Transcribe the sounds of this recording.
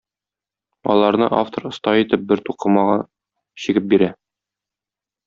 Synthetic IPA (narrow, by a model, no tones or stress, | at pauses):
ɒ̰lˠɑɾnɤ̰ʔa̰ft̪oɾŏst̪ɑjit̪ɘp̚bɘɾt̪uqɤmɑʁɑ | ɕĭɡɘp̚biɾæ